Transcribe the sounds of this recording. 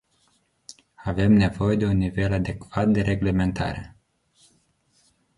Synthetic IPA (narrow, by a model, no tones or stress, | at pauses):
ave̞mne̞vo̞je̞d̪e̞unːive̞lad̪e̞kv̥at̪̚d̪e̞ɾe̞ɡle̞me̞nt̪ʰa̰ɾe̞̰